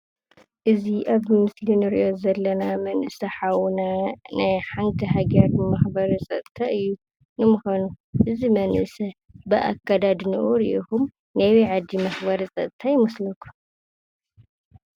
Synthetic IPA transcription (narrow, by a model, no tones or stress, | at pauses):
ʔɨziʔaβmɨslinɨɾḭʔo̞zɐlːɐnamɐnʔɨsɐħawnanajħant̪ʰiɦaɡɐɾmɐxbɐɾsʼɐt̪ʼt̪ʰaʔɨjːu | nɨmuxonu | ʔɨzimɐnʔɨsɐ | bɨʔa̰kːad̪ad̪nɨ̰ʔuɾiʔixum | nɐwiʕad̪imɐxbɐɾsʼɐ̰t̪̚ʼt̪ʰajɪmɐslɐkʰu̥